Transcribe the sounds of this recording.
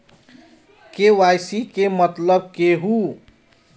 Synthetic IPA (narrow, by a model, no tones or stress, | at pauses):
kewajsikemʌt̪lʌb̚keɦu